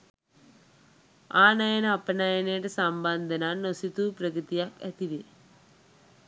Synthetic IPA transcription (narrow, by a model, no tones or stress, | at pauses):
aːnɐjɐnɐpːɐnajɐneʈesɐmbaːnd̪ʱɐnaːnːosit̪uprɐkɾɨt̪ijaːkḛt̪iʋe